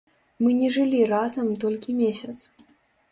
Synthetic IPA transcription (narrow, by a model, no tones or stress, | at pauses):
mɨnʲɛʐɨlʲirazɐmt̪ɔlʲkʲimʲesʲɐt̪s